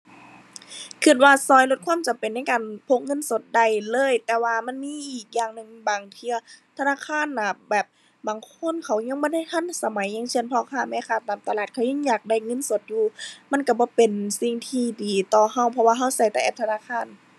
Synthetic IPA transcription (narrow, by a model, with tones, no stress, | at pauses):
kʰɯ˧t̪̚waː˧sɔː˧˩jlo˧t̪̚kʰwaː˧˥˨mt͡ɕa˨mpe˨nːa˧˥˨jkaː˨npʰo˧˥k̚ŋɤ˧˥˨nso˧˦t̪̚da˨˧˩jlɤː˧˥˨jt̪ɛː˧˩waː˧ma˧˥˨nmiː˧˥˨ʔiː˨˩k̚jaː˧˨ŋnɯ˧˩˨ŋbaː˨˩ŋt̪ʰɯ˧ɐt̪ʰa˧naː˧˥˨kʰaː˧˥˨nːa˧˩bɛː˨˩p̚ | baː˨˩ŋkʰo˧˥˨nkʰa˨˩wɲa˧˥˨ŋbɔː˧˥˨da˧˥˩jh̪ʰa˧˥˨nsa˧ma˨˦jɲa˧˥˨ŋse˧˨npʰɔ˧kʰaː˧˩mɛː˧˥˨kʰaː˧˩t̪aː˨˩mt̪a˧laː˧˩t̪̚kʰa˧˩wɲa˧˥˨ŋɲaː˨˩k̚da˧˩˨jŋɤ˧˥˨nso˧˦t̪̚juː˧ma˧˥˨nka˧˩bɔː˧˦pe˨nsi˧ŋt̪ʰiː˧diː˨˩t̪ɔː˧˩ha˧˥˩wpʰɔ˧waː˧ɦa˧˥˨wsa˧˩jt̪a˧˩ʔɛː˧p̚t̪ʰnaː˧˥˨kʰaː˧˥˨n